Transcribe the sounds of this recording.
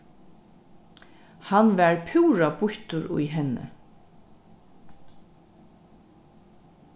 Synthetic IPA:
hanvɛɹpʰuːɾabʊçt̪ʊɾʊ̰jɦɛnːɪ̰

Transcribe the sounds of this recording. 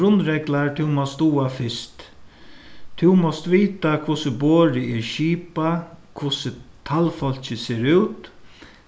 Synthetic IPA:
ɾʊnɾɛɡlaɹt̪ʰɪwmɔst̪uːafɪst̪ | t̪ʰʊwmɔst̪ʋiːt̪akʰʊsəboːɾɪɪɹʃiːpakʰvʊsət̪ʰalfɔl̥t͡ɕɪseːɾʉwt̪

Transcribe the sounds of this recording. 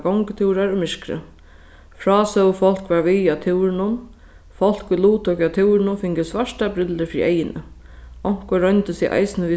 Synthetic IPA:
ɡɔwŋkt̪ʰɪwɾaɾʊmɪʂkɾə̰ | fɾɔːsœwfɔl̥kʋaɹʋiat̪ʰɪwɾɪnʊm | fɔl̥kʏluːt̪ʰɔkat̪ʰɪwɾɪnʊfɪŋkɪsʋaʂʈabɾɪləɾfɾḭʔɛ̰jɪnə̰ | ɔŋ̥kɔɾœnt̪əsɛʔa̰jsɪnəʋi

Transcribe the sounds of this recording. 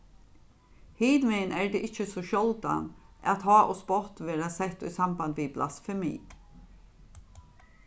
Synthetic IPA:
hiːd̪mɛnʔæːɖeːʔɪçəsɔʃɔld̪a̰nʔɑ̰t̪hɑːʔɔspɔt̪ʋeːɾasɛt̪iːsɑmband̪ʋiːblʔa̰sfɛmḭː

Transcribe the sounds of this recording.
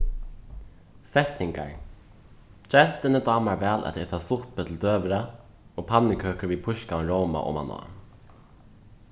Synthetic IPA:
sɛht̪nɪŋka̰ɹ | t͡ʃɛn̥t̪ɪnəd̪ɑːmaɹvɛːlʔa̰t̪ɛt̪ʰasʊhpət̪ʰɪld̪øːʋɪɾa | oːpʰanːɪkʰøːkəɹvipʰʊʃkaɪnɾowma̰ʔo̰ma̰nɔ̰ː

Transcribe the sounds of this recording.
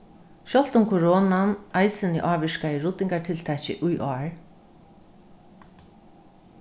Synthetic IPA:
ʃɔl̥t̪ʊmkʰɔɹɔːnanajsɪnɪ̰ʔaːʋɪʂkaɪɹʊt̪ːɪŋkat̪ʰɪlt̪ʰɛcɪ̰ʔʊjʔɔːɹ

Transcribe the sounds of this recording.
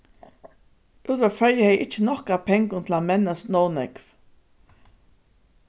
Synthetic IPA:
ʔuːt̪vafɛɹjəhɛjʔɪt͡ʃːənɔhkapʰɛŋkʊnt̪ʰlamɛnːast̪nɔwnɛkv

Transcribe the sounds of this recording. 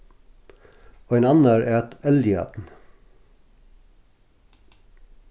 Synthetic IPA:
oːeːnɑnæɾʔæːɑt̪ɛlɪɑ̰ːt̪n̩

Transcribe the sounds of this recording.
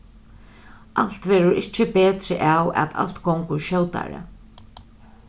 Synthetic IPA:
ʔal̥t̪ʋɛːɾʊɾʔɪt͡ʃːɪpeːt̪ɾɪʔawa̰t̪a̰l̥t̪kʰɔŋkʊɹʃœwt̪a̰ɾa̰

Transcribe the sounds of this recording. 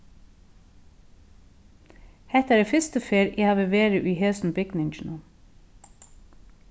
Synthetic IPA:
hɛt̪æːɖeːfʏst̪əfeːɾʔeːhɑːʋəʋeːɾəʔiːheːsn̩bɪɡnɪŋt͡ʃn̩ʊ

